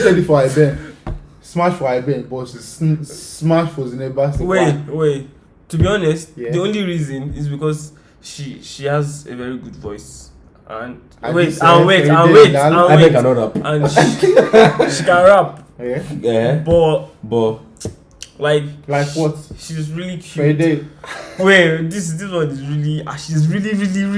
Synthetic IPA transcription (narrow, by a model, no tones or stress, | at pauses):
sedifɔaɪbɛ̃n | smaʃfɔaɪbɛ̃nbɔʃizsmaʃfɔzinebaswewe | tubiɔnɛstdiõnliɹizɔ̃niz̬bikɔz | ʃiʃihazḛvɛɹiɡudvɔɪs | ʔã̰n | wetãnweãwetãeekãnɔɹapãnʃi | ʃikãnɹap | bɔtbɔt | laɪklaɪkwɔtʃizɹilikʰjude | wedis̬dis̬wɔnizɹiliaʃizɹiliɹili